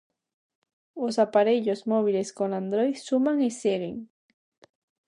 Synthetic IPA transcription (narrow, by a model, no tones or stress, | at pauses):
osapaɾeʎosmoβileskonand̪ɾoj̪ʃʊmaŋeseɢɪ̰ŋ